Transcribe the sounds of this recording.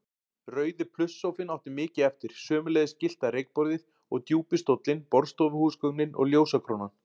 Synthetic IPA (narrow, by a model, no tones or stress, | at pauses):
rœːɥðɪpʰlʏsːowfɪnawht̪ɪmɪːcɪɛft̪ɪɾ̥sœːmʏlɛjðɪscɪl̥t̪aɾejk̚pɔɾðɪð | ɔɣt̪juːpɪst̪ot̪lɪnpɔɾst̪owvʏhuːskœɣnɪnʔɔ̰ɣljoːwsakʰɾoːnan